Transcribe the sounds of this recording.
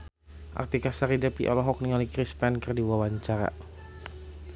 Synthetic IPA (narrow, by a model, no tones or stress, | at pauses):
ʔa̰rt̪ikasaɾidɛpiʔɔ̰lɔɦɔk̚niŋalikɾispɛnkərdiwawaɲt͡ʃaɾa̰